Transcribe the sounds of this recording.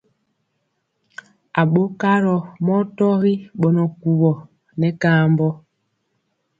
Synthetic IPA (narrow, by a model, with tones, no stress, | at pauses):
a˨ɓo˦ka˦ɾɔ˨mɔ˦tɔ˦ɾi˦ɓɔ˨nɔ˨ku˨βɔ˨ | nɛ˨˦kaː˦mbɔ˦